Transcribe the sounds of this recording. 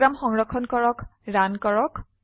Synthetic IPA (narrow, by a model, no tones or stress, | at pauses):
ɹamxɔŋɹɔkʰːɔnkɔɹɔkɹankɔɹɔk